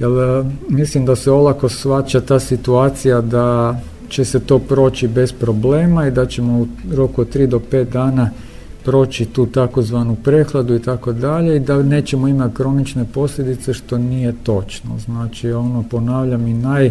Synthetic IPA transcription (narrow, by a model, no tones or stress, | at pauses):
jelmislimd̪aseo̞lˠako̞sʋat͡ʃat̪aːsit̪uaːt̪sijad̪a | t͡ʃe̞set̪o̞ːpɾo̞ːt͡ʃibe̞spɾo̞ble̞ːmaid̪at͡ʃe̞mo̞uɾo̞kuott̪ːɾiːd̪o̞pe̞ːt̪̚d̪aːna | pɾo̞ːt͡ʃit̪uːt̪ako̞zʋaːnupɾe̞xlˠad̪uit̪ako̞d̪aʎe̞id̪ane̞ːt͡ʃe̞moimat̪kɾo̞nit͡ʃne̞po̞sʎʲed̪it̪se̞ʃt̪o̞nije̞t̪o̞t͡ʃno̰znaːt͡ʃio̞nopo̞naːʋʎaminaj